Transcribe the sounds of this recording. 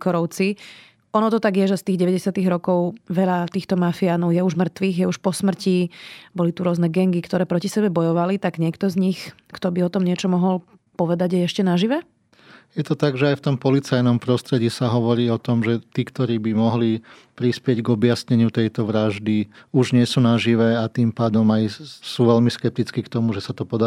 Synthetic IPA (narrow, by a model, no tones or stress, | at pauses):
kɔɾɔʊt͡si | ʔɔnɔt̪ɔt̪aɡjɛʒɛst̪iːɣɟɛʋɛɟɛsɪat̪iɣɾɔkɔʊʋɛʎat̪iːxt̪ɔmafiaːnɔʊjɛuʒmr̩t̪ʋiːɣjɛuʃpɔsmr̩cibɔlit̪uɾʊɔznɛɡɛŋɡikt̪ɔɾɛːpɾɔcisɛbɛbɔjɔʋalit̪aɡɲɪɛkt̪ɔzɲix | kt̪ɔbiɔt̪ɔmɲɪɛt͡ʃɔmɔɦɔl | pɔʋɛd̪aɟjɛɛʃcɛnaʒiʋɛ | jɛt̪ɔt̪aɡʒɛajft̪ɔmpɔlit͡sajnɔmpɾɔst̪ɾɛɟiːsaɦɔʋɔɾiːɔt̪ɔmʒɛt̪iːkt̪ɔɾiːbimɔɦli | pɾispɪɛɟɡɔbjasɲɛɲɪut̪ɛjt̪ɔʋɾaʒd̪iuʒɲɪɛsuːnaʒiʋɛat̪impaːd̪ɔmajsuːʋɛlmiskɛp̚t̪it͡skikt̪ɔmuʒɛsat̪ɔpɔd̪a